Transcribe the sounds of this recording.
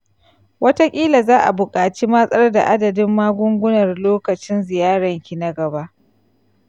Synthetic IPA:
wʔɐ˦ta˦kʲʼiː˦la˨zaː˦ʔa̰˨bʊ˨kʼaː˨t͡ʃi˦mɐ˦sʼɐ˦rda̰˨ʔa˦dɐ˨dɪ˦mːaː˦ɡʷʊ˦ŋɡʷʊ˦nɐ˨rloː˦kɐ˨t͡ʃɪ˦nzɪ˨jaː˦ɽɐ˨ŋkʲi˨na˦ɡɐ˨ba˦ʔ

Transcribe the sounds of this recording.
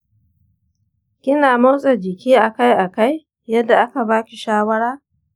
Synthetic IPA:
kʲɪ˦naː˨mo˦sʼɐ˨d͡ʒɪ˨kʲiː˦ʔa˨ka˦jʔa˨ka˦j | jɐ˦dːa˨ʔa˦ka˨baː˦kʲi˨ʃaː˦wɐ˦ɽaː˦

